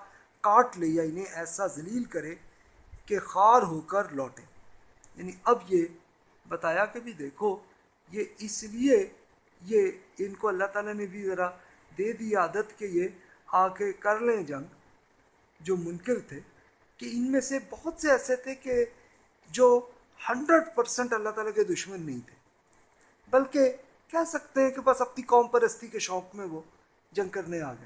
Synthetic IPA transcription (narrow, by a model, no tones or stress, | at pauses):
kaːʈleːijaɪnɦẽʔɛːsazɐliːlkɐɾẽ | kexaːɾɦoːkəɾlɔːʈẽː | jaːniʔɐbje | bɐt̪aːjakebʱid̪eːkʰo | jeɪslie | jeɪnkoɐlːaɦt̪aːlanebʱizɐɾa | d̪eːd̪iaːd̪ət̪keje | aːkekɐɾlẽd͡ʒɐ̃ŋɡ | d͡ʒoːmʊ̃ŋkɪlt̪ʰeː | keɪnmẽsebɐɦʊt̪seɛːset̪ʰeke | d͡ʒoː | hɐ̃ɳɖɾəɖpɐɾsə̃ɳʈɐlːaɦt̪aːlaked̪ʊʃmənːɐɦĩt̪ʰe̥ː | bɐlke | kɛɦsɐkt̪ẽɦɛ̃kebɐsɐpnikɔːmpɐɾəst̪ikeʃɔːkmẽʋo | d͡ʒɐ̃ŋɡ̚kɐɾnea̰ːɡə̰e